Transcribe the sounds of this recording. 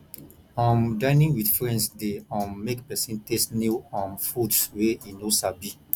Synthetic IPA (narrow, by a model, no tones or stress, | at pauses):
ɔ̃mdãɪnĩŋwidfɹɛ̃ndsdeɔ̃nmekpɛsĩntestniɔ̃nfudsweinosabi